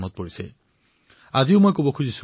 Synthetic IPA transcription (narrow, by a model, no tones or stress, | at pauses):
mɔt̪̚poɹisḛ | aziʊmojkobɔkʰuzisu